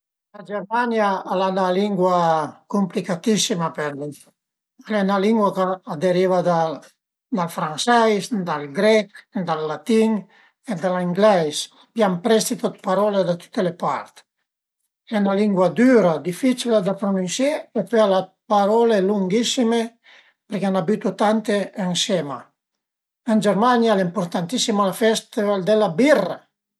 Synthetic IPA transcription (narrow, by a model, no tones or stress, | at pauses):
lad͡ʒɛɾmanjaːlanaliŋɡwakumplikat̪isimapeɾl | ɛnaliŋɡwakaːd̪eɾivad̪a | d̪alfɾansɛjsd̪alɡɾɛkd̪alːat̪iŋ | ed̪aliŋɡlɛjs | pjampɾɛst̪it̪ot̪paɾɔled̪at̪u̥t̪ːelepaɾt̪ | ɛnaliŋɡwad̪yɾad̪ifit͡ʃilad̪apɾonunsjɛepøalapaɾɔleluŋɡisime | peɾkeanabyt̪ut̪ant̪eːnsɛma | ənd͡ʒɛɾmanjaleimpoɾt̪ant̪isimalafɛst̪ivald̪elabirːa